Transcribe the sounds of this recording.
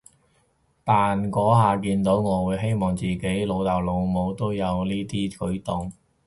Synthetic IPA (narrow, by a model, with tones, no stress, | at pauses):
t̪aː˨nkɔː˨˥ɦaː˨k̬iː˧nt̪o˨˥wŋɔː˨˧wuː˨˧jɦe˥jmɔː˨˩ŋt͡siː˨ke˨˥jlo˨˧wt̪a˨˩wlo˨˧wmo˨˧wt̪o˥wjɐ˨˧wniː˥t̪iː˥kɵ˨˥ɥt̪ʊ˨ŋ